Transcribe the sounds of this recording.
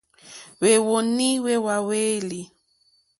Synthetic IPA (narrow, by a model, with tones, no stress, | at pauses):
we˨wo˨ni˦we˦wa˨weː˦li˨